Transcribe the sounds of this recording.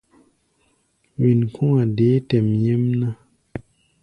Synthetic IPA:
wi˨nkʰu˦ŋa˨de˨˦tɛ˨mɲe˦mna˦

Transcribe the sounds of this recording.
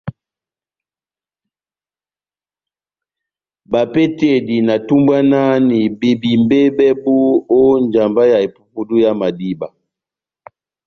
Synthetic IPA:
ba˨pe˦te˦˨di˨na˨tu˦mba˦na˦ni˨be˨bi˨mbe˦bɛ˦bu˦o˦nd͡ʒa˨mba˦ja˨e˨pu˦pu˦du˦ja˦ma˨di˦ba˨

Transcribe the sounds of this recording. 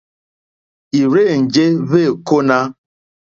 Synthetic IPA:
i˨ɾe˦˨n̩˨d͡ʒe˦βe˦˨ko˦na˦

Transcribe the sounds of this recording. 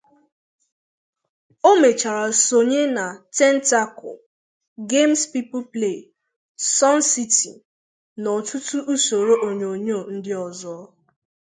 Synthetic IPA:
o˦me˨t͡ʃa˨ɾa˨so˨ɲe˦na˨tɛ˦n̩˦ta˦ko̰˨ | ɡe˦mspi˦pʊ˦ple˦˨ | sɔ˦n̩˦si˦tḭ˨ | nɔ˨tʰʊ˦tu˦ʔu˦so˨ɾo˦ʔo˨ɲo˨ɲo˦˨n̩˦dɪ˦ɔ˨zɔ˦

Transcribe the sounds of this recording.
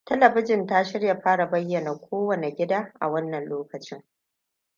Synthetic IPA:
tɐ˦lɐ˨bɪ˦d͡ʒɪ˨nta˦ʃɪ˦rja˨ɸaː˦ɽa˨bɐ˦jːɐ˨na˨kʷʰoː˦wɐ˨ne˨ɡʲɪ˦daː˦ʔa̰˨wɐ˦nːɐ˨nloː˦kɐ˨t͡ʃɪ˦ŋ

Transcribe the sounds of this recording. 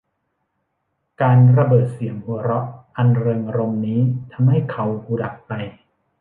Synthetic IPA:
kaː˧nɾa˧bɤː˨˩t̪̚si˩˦əŋhu˧˩˦ɾɔ˦˥ʔʔa˧nɾɤː˧ŋʔa˧ɾo˧mniː˦˥t̪ʰa˧mɦa˥˩jkʰa˧wkuː˧da˨˩k̚pa˧j

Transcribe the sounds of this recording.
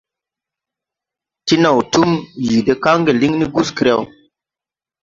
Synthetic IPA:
ti˦na˨wtu˦mji˨de˦ka˦ŋɡe˨li˦ŋni˦ɡu˦ski˨ɾa˦˨w

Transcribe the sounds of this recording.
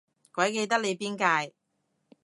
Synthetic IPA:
kɔː˨˥jke˧jt̪ɐ˥k̚le˨˧jpiː˥nkaː˧j

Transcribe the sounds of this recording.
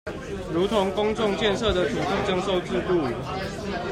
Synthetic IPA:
ɻu˨˥t̪ʰʊ˨˦ŋkʊ˦ŋt͡sʊ˥˧ŋt͡ɕjɛ˥˨nʂɤ˥˨d̪ə˨t̪ʰu˨˩t̪i˥˨ʈ͡ʂɑ˥˧ŋʂo˥˧ʊt͡sɹ̩˥˧t̪u˥˩˨

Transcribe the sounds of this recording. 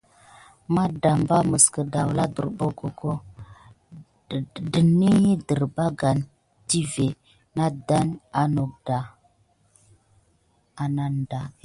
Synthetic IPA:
ma˦da˨mba˦mə˨skə˨da˨wla˦də̰˨ɾbo˦ɡo˦ɡo˦˨ | də˨nːi˦ji˦də˨ɾba˦ɡa˨n | ti˦ve˨ | na˦da˦na˨no˨k̚da˨ | a˨na˦nda˨

